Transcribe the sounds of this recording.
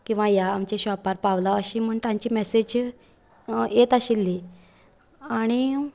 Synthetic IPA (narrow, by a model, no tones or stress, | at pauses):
kĩw̃ʋãjaːmt͡ɕeɕɔpaɾpaʋlaəɕiːm̤əɳt̪jãɲt͡ɕiːmesed͡ʑ | jet̪əɕilːi | aɽ̃i